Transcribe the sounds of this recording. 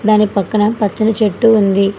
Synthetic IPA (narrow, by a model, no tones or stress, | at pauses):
d̪aːnipɐkːɐɳɐmpɐt͡ʃːɐnɐt͡ʃeʈːuːnd̪i